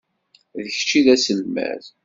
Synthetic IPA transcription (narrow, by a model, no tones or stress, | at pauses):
ðəçt͡ʃiðæsəlmæ̰ð